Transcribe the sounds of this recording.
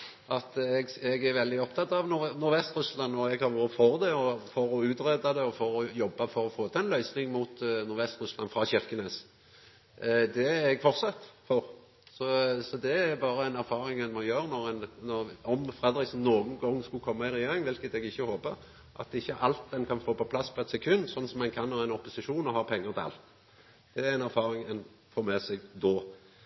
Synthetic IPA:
ʔɑt̪ɛɡɛɡæɾʋɛld̪ɪɔpt̪ʰɑt̪ːɑʋnʊɾnʊɾʋɛst̪ɾʉslɑnːɔɛɡhɑɾʋuɾəfɔɾd̪ɛɔfɔɾɔʉːt̪ɾed̪ɑd̪ɛɔfɔɾɔjɔbːɑfɔɾɔfoːt̪ʰɛnlœʏsnɪŋmuːt̪nʊɾʋɛst̪ɾʉslɑ̰nfʁɑːɕɪɾkəneːs | d̪ɛɛɡfɔʁt̪sɑt̪ːfɔɾ | sɔsɔd̪ɛæɾbɑːɾəɛɪnæɾfɑːɾɪŋɛnmɔjøːɾənɔɾænnɔɾɔmfʁɛd̪ɾɪksn̩noːɡn̩ɡɔŋːskʉkʰɔmːɑɪɾɛjeːɾɪŋʋɪlkət̪ɛɡɪçːəhoːpə | ʔɑ̰t̪̚ɪçːəʔɑlt̪̚d̪ɛnkʰɑnfoːpɔpʰlɑsːpʰɔɛt̪sɛkʰʉnːsɔnːsɔmɛnkʰɑnhɑʁɛɪnɔpːʊsɪʂuːnɔhɑʁpʰɛŋːəʁt̪ʰɪɑ̰lt̪ | d̪̥ɛæɾæɪnæɾfɑːɾɪŋɛn | foːmɛːsɛɡd̪ɔː

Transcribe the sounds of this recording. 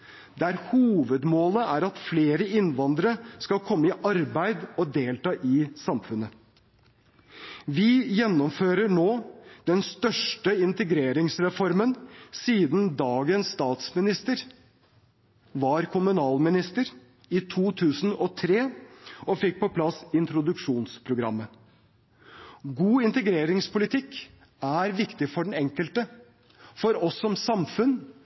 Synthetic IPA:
d̪ɛæɾhuːʋəd̪moːləʔæːɾɑt̪fleːɾəɪnʋɑnd̪ɾəskɑlkʰɔmːəɪʔɑɾbæɪd̪ɔd̪eːlt̪ɑːʔɪsɑmfʉnə | ʋɪjɛnːɔmføːɾəɳoːd̪̥ɛnst̪œʂʈəɪnt̪əɡɾeːɾɪŋsɾɛfɔɾmənsiːd̪nd̪ɑːɡənsst̪ɑːt̪smɪnɪst̪əɾ | ʋɑɾkʰʊmʉnɑːlmɪnɪst̪əɾ | ɪt̪ʰuːt̪ʰʉːsn̩ɔt̪ʰɾeːɔfɪk̚ːpʰɔpʰlɑsɪnt̪ɾʊd̪ʉkʂuːnspʰɾʊɡɾɑ̰mːə | ɡuːɪnt̪əɡɾeːɾɪŋspʰʊlɪt̪ʰɪkː | æɾʋɪkt̪ɪfɔɖɛɳ̩nɛŋkəlt̪ə | fɔɾɔsːɔmsɑmfʉn

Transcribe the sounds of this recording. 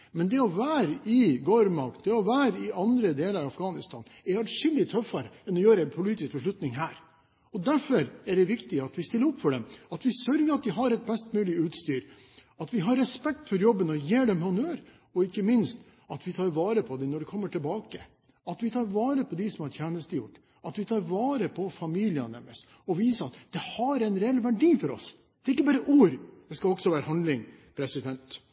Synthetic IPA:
mɛnd̪ɛɔʋæːɾɪɡoːɾmɑkd̪ɛɔʋæːɾɪɑnd̪ɾəd̪eːləɾɑɑfɡɑːnɪst̪ʰɑ̰ːnɛɾɑʂɪld̪ɪt̪ʰœfːɑɾəɛnɔjøːɾəæɪnpʰʊliːt̪ɪsk̚bəʂlʉt̪nɪŋɦæːɾ | ɔd̪æɾfɔɾæɖɛʋɪkt̪ɪɑt̪ʋɪst̪ɪlːəɾɔpːfɔɖɛmɑt̪ʋɪsœɾɡəɾɑt̪̚d̪ɪɦɑɾɛt̪̚bɛst̪mʉːlɪʉːt̪st̪yːɾ | ɑt̪ʋɪɦɑɾːɛspɛk̚t̪fɔɾjɔbːənɔjeːɖɛmhɑnøɾ | ɔɪkːəmɪnst̪ | ɑt̪ʋɪt̪ʰɑːɾʋɑːɾəpʰɔd̪ɛnɔɖɛkʰɔmːəʈʰɪlbɑːkə | ɑt̪ʋɪt̪ʰɑːɾʋɑːɾəpʰɔd̪ɪsɔmhɑɾt̪ʰjæːnəst̪əjʊʈː | ɑt̪ʋɪt̪ʰɑːɾʋɑːɾəpʰɔfɑmiːlɪə̰nɛ̰mə̰s | ɔʋiːsəɑt̪d̪ɛhɑɾɛnɾɛɛlːʋæɖiːfɔɾɔ̰s | d̪̥ɛæɪkːəbɑːɾəʔuːɾd̪ɛskɑɔksɔʋæːɾəhɑnlɪŋ | pʰɾɛsɪd̪ɛnt̪

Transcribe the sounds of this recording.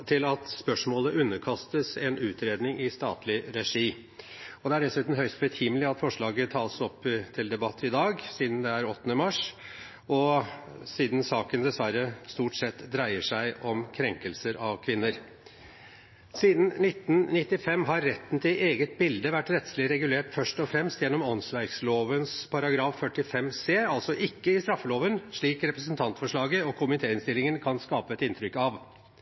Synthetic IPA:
t̪ʰɪlɑt̪spœʂmoːləʔʉnːəkʰɑst̪əsɛnʉːt̪ɾeːd̪nɪŋɪst̪ɑ̰ːt̪lɪɾɛʂiː | ɔd̪ɛæɖɛsʉːt̪m̩ɦœʏst̪bɛt̪ʰhimlɪɑt̪fɔʂɭɑːɡət̪ʰɑːlsɔpːt̪ʰɪld̪ɛbɑt̪ʰːɪd̪ɑːɡsiːd̪nd̪ɛæɾɔt̪ːnəmɑʂ | ɔ | siːd̪nsɑːkənd̪ɛsʋæɾːəst̪uːʈsɛt̪ːd̪ɾæɪəʂæɪʔɔmkʰɾɛŋkəlsəɾɑʋkʰʋɪnːəɾ | siːd̪n̩nɪt̪ːn̩nɪt̪ːɪfɛmːɦɑɾːɛt̪ːn̩t̪ʰɪʔeːɡət̪̚bɪld̪əʋæʈːɾɛt̪slɪɾɛɡʉleːʈfœʂʈɔfɾɛmst̪jɛnːɔmɔnsʋæɪksloːʋənspʰɑɾɑɡɾɑːfːœʈːɪfɛmseːɑlsɔʔɪkːəɪst̪ɾɑfːəloːʋənʂɭiːkɾɛpɾəsnt̪ʰɑnt̪fɔʂɭɑːɡəɔkʰʊmɪt̪ʰeːɪnst̪ɪlːɪŋənkʰɑnskɑːpəɛt̪ɪnt̪ʰɾʏkɑʋ

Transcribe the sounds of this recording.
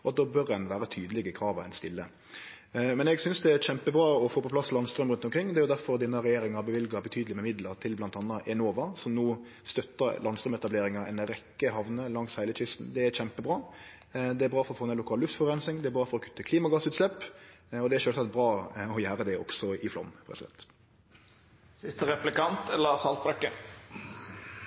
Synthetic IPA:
ɔɑt̪̚d̪ɔːbœɾɛnʋæːɾət̪ʰyːd̪əlɪɡəkʰɾɑːʋəɾɛ̰nst̪ɪlːə | mɛnɛɡsʏnsd̪ɛæɾɕɛmpəbɾɑːɔfoːpɔplɑsːlɑnst̪ɾœmɾʉnt̪ɔmkɾɪŋːd̪ɛæɾjʊd̪æɾfɔɾd̪ɛnːəʁɛjeːɾɪŋɑbəʋɪlɡɑbət̪ʰyːd̪əlɪmɛmɪd̪ləɾt̪ʰɪlblɑnt̪ɑːnːɑʔɛnoːʋɑsɔmnuː | st̪œt̪ːəɾlɑnst̪ɾœmɛt̪ɑbleːɾɪŋɑɛ̰nɾɛkːəɦɑʋnəlɑŋshæɪlət͡ʃɪst̪n̩d̪ɛæɾɕɛmpəbʁɑː | d̪ɛæbʁɑːfɔɾɔfoːnɛnʊkʰɑːllʉft̪fɔʁɛnsɪŋd̪ɛæɾbɾɑːfɔɾɔkʰʉ̥t̪ːəkʰliːmɑɡɑsʉːt̪slɛpːɔd̪ɛæɾʃøːlsɑt̪bɾɑːɔjæːɾəd̪ɛɔ̰ɡ̥sɔɪflɔ̰mːpʰɾɛsɪd̪ɛ̰nt̪ | sɪst̪əɾɛplɪkɑnt̪ɛlːəsɑlt̪̚bɾœkːə

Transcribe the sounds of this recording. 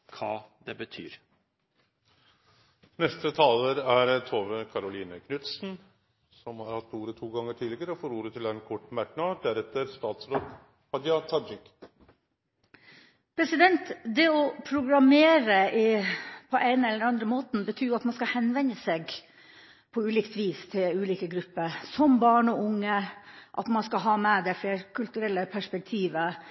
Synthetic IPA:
kʰɑ̰ːd̪ɛbət̪ʰy̰ːɾ | nɛst̪ət̪ʰɑːləɾæɾt̪ʰoːʋəkʰɑɾʊliːnəkʰnʉt̪sn | sɔmhɑɾhɑt̪ːuːɾət̪ʰuːɡɑŋːəʈʰiːlɪɡəɾəɔfoːɾuːɾət̪ʰɪlɛnkʰɔʈːmæɾknɑd̪æɾɛt̪ːəɾst̪ɑːt̪sɾoːd̪ | hɑd̪jɑt̪ʰɑd͡ʒɪk | pʰɾɛsɪd̪ɛnt̪d̪ɛɔpʰɾʊɡɾɑmeːɾəɪpʰɔʔæɪnəɛlːəɾɑnd̪ɾəmoːt̪n̩bət̪ʰyːjʊɑt̪mɑnskɑhɛnʋɛnəseːɡ | pʰɔʉːliːkt̪ʋiːst̪ʰɪlʉːliːkəɡɾʉpːəɾsɔmbɑːɳɔʊŋːəʔɑ̰t̪mɑnskɑɦɑːmɛd̪æɪfleːɾkʰʉlt̪ʉɾɛlːəpʰæʂpɛk̚t̪ʰiːʋə

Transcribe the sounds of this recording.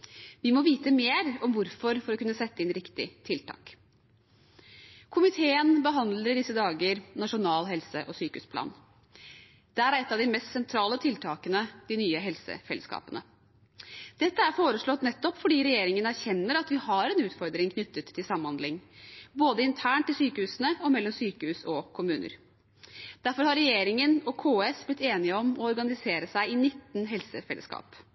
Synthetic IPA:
ʋɪmɔʋiːt̪əmeːɾɔmʋʊɾfɔɾfɔɾɔkʰʉnːəsɛt̪ːəɪnɾɪkt̪ɪ̰t̪ʰɪlt̪ʰɑ̰ːk | kʰʊmɪt̪ʰeːənbəɦɑnd̪ləɖɪsːəd̪ɑːɡəɾnɑʂʊnɑːlɦɛlsəʔɔsyːkʉspʰlɑ̰ːn | d̪̥ɛæɾɾɛt̪ːɑʋd̪ɪmɛst̪sɛnt̪ʰɾɑːlət̪ʰɪlt̪ʰɑːkənəd̪̥ɪnyːəɦɛlsə̰fɛ̰ləskɑ̰ːpənə | d̪̥ɛt̪ːəæɾfoːɾəʂɭɔt̪nɛt̪ːɔpfɔɖiːɾɛjeːɾɪŋənæɾçɛnːəɾɑt̪ʋɪhɑɾɛnʉːt̪fɔɾd̪ɾɪŋkʰnʏt̪ːət̪ʰːɪlsɑmːəmhɑnd̪lɪŋboːd̪əɪnt̪ʰæːɳʈ̪ːɪlsyːkəhʉːsənəɔmɛlːɔmsyːkəhʉːsɔkʰʊmʉːnə̰ɾ | d̪̥æɾfɔɾhɑɾɛjeːɾɪŋənɔkʰoːesblɪt̪ːeːnɪəɔmɔɔɾɡɑnɪseːɾəsæɪɪnɪt̪ːnɦɛlsəfɛlə̰skɑ̰ːp

